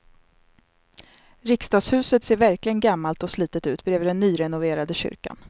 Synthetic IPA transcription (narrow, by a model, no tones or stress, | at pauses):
ɾɪkst̪ɑːɡshʉ̟ːsət̪seːɾvæɾklɪɡənɡamːalt̪ɔsliːt̪ət̪ʉ̟ːt̪bɾɛːvd̪ɛnːyːɾɛnʊveːɾad̪əɕʏ̰ɾka̰n